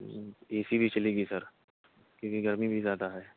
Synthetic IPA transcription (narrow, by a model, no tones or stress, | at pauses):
eːsibʱit͡ʃɐliːɡisɐɾ | kũːkiɡɐɾmibʱizaːd̪aɦɛː